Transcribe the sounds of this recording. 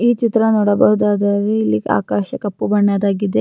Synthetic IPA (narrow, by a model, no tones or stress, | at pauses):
iːt͡ʃit̪ɾɐnɔɽɐbɐɦud̪aːd̪ɐɾeilːiɡa̰ːkaːʃɐkɐpːubɐɳːaːd̪aːɡid̪e